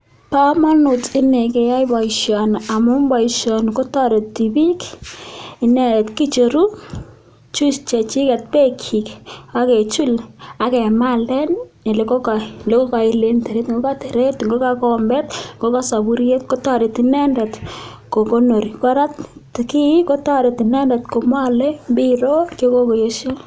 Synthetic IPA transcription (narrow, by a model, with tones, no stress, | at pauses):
pa˦ma˦nʊ˨tɪ˦ne˨ke˨ja˦jba˨i˨ʃjɔ˨na˨mʊ˦mba˨iʃjɔ˨nko˦tɔ˦ɾe˨tːi˨bi˦k | i˨nɛ˦dɛ˨tki˦t͡ʃoɾu˦ | t͡ʃu˦st͡ʃe˨t͡ʃi˦kɛ˨t̚pe˦kʰi˨ka˦ke˨t͡ʃu˦la˨kɛ˨ma˦lɛ˦nːi˨le˨ko˦ka˨le˦ko˦ka˨ɪ˦le˦nte˨ɾe˦tŋɡo˦ka˦te˨ɾe˦tŋɡo˦ka˦kɔmbɛ˦tŋɡo˦ka˦sa˨bu˦ɾje˦tko˦tɔ˦ɾe˨ti˨nɛ˦ndɛ˨tko˨ko˦no˨ɾi˨kɾa˦ttki˦ko˦tɔ˦ɾe˨ti˨nɛ˦ndɛ˨tko˨mwa˦le˦bi˦ɾo˦kjo˦ko˦ko˨jo˦ʃe˦